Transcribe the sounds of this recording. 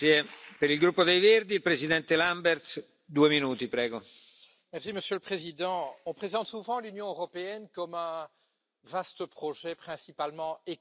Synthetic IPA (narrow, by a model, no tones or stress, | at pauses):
epeɾilɡɾupːod̪ejverd̪iːlpɾezid̪ɛnt̪elambɛrt̪s | d̪uːeminuːt̪ipɾɛːɡo | mɛʁsiməsjøləpχezid̪ɑ̃ɔ̃pχezɑ̃t̪suvɑ̃lynjɔ̃øʁɔpeɛnkɔmɛ̃ | vast̪əpχɔʒɛpχɛ̃sipalmɑ̃e